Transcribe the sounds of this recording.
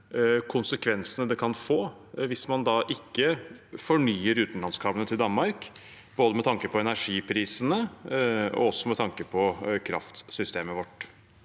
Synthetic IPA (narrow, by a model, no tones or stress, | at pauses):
kʰʊnsəkʰʋɛnsənəd̪ɛkʰɑnfoː | ʋɪsmɑnd̪ɑːʔɪkːəfɔɳyːəɾʉːt̪n̩lɑnskʰɑːbənət̪ʰɪld̪ɑnmɑɾk | b̥oːd̪əmɛt̪ʰɑŋkəpʰɔɛnæɾʂiːpʰɾiːsənə | ɔ̰ɔsːɔmɛt̪ʰɑŋkəpʰɔkʰɾɑ̰ft̪sʏst̪eːməʋɔʈː